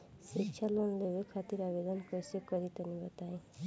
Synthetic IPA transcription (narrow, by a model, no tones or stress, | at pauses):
sikʃʰalɔnlebekʰat̪iɾabed̪ɔnkɔɾisikɔɾit̪ɔnibɔt̪aj